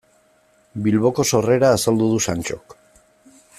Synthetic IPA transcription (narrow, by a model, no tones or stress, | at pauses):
bilβo̞ko̞so̞re̞ɾaːsald̪uðusant͡ʃok